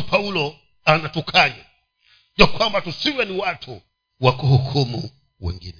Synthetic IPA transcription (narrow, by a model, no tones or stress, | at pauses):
pʰaulɔ | anatukʰaɲa | jakwambatusiwɛniwatʰu | wakuhukʰumṵ | wɛ̰ŋɡḭnɛ